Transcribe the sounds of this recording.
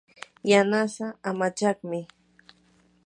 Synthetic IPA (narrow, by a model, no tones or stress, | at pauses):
janasaamat͡ʃɑχmɪ